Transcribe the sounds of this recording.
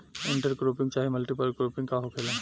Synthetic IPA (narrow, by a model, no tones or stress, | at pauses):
iɳʈəɾɡɾopiŋt͡ʃaɦimɐlʈipalɡɾopiŋkaɦokʰelen